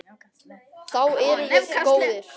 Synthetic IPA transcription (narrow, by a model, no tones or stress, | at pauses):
θawɛɾjɛɣkoːwðɪɾ̥